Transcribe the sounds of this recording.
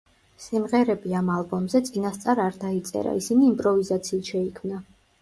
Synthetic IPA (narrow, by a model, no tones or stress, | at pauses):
simʁɛɾɛbiamalˠbɔmzɛt̪sʼinast̪sʼaɾaɾd̪ait̪sʼɛ̰ɾa̰isiniːmpʼɾɔvizat̪sʰiːt̪ʃɛikʰmna